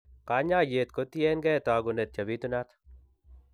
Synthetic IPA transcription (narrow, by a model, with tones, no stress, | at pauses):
ka˨˦ɲa˦je˨t̪̚ko˦t̪i˦ɛ˦nɡɛ˦˨t̪a˨ɡʊ˨ne˨t̪̚t͡ʃa˨bi˦t̪u˦na˦t̪